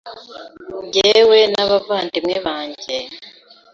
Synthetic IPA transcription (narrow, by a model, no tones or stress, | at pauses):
ɟewenaβavaːndimŋeβaːɲɟe